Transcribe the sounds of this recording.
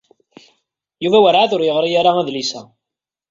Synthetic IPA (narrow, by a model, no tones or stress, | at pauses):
juvæwəɾʕaθʊɾjəʁɾˤijaɾaæðlisæ